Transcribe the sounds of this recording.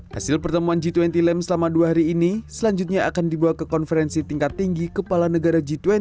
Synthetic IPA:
hasɪlpərt̪əmuand͡ʒit̪uwɛnt̪ilɛmsəlamaduaɦaɾiːnisəlaɲd͡ʒut̪̚ɲaakandibuakəkɔnfəɾɛnsit̪iŋkat̪ːiŋɡikəpalanəɡaɾad͡ʒit̪wɛ

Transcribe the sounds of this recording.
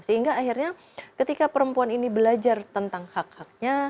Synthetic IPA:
səɦiŋɡaːɦirɲa | kət̪ikapəɾəmpuaninibəlad͡ʒart̪ənt̪aŋhak̚hak̚ɲa

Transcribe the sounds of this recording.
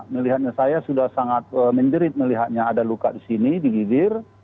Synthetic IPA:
məliɦat̪̚ɲasajasudahsaŋat̪̚əməɲd͡ʒəɾɪt̪̚məliɦat̪̚ɲaːdaluka̰ʔdisinidiɡibɪr

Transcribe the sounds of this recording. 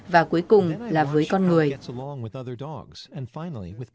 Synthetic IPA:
vaːkuəjkʊŋ͡mlaːvəːjkɔnŋɨəjɛsəlɔ̃ŋwɨðʌðə˞dɔ̰ɡz̥ɨ̃nfãɪ̃nl̩ˠḭwɨð

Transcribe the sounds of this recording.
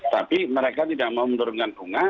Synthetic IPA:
t̪apiməɾekat̪idaʔ̚maumənduɾuŋkanduŋa

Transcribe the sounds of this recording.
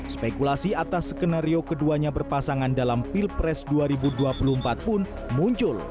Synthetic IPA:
spekulasiat̪asə̥kənaɾiokəduaɲabərpasaŋandalampilpɾɛsduaɾibuduapuluhmpat̪̚pʊn | muɲt͡ʃʊl

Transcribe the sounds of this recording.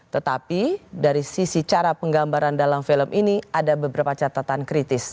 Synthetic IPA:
t̪ət̪apidaɾisisit͡ʃaɾapəŋɡambaɾandalamfiləmʔiniadabəbəɾapat͡ʃat̪at̪ankɾit̪ɪs

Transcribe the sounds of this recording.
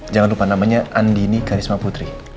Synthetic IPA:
d͡ʒaŋanlupanamaɲaʔandinikaɾismaput̪ɾi

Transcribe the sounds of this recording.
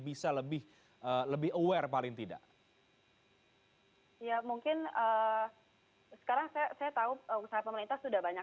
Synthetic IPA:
bisaləbɪh | əːləbɪhəwɛrpalɪŋt̪ida̰ʔ | jamuŋkɪnəː | sə̥kaɾaŋsajasajat̪auəsaɦapəməɾint̪ahsudahbaɲak

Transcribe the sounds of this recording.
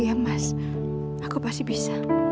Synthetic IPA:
iamːas | akʰɔpasibisa

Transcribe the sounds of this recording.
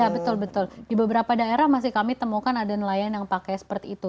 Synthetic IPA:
abət̪ʊlbət̪ʊldibəbəɾapadaeɾahmas̬ɪhkamit̪əmukanadanəlajanjaŋpakɛjsə̥pərt̪iːt̪u

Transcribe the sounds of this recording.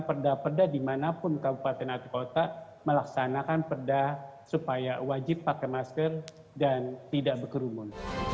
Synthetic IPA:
pərdapərdadimanapʊnkabupat̪ɛnat̪ukot̪a | məlaksanakanpərdasupajawad͡ʒɪpːakɛmaskər | dant̪idaʔbəkəɾumʊn

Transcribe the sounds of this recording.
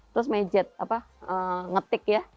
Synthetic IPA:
t̪ɾʊs̬maid͡ʒɛt̪̚apa | əŋət̪ɪkja

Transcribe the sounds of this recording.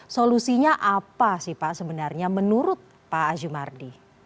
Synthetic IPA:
solusiɲaʔapasɪhpaʔsəbənarɲamənuɾʊt̪̚ | paːd͡ʒumardi

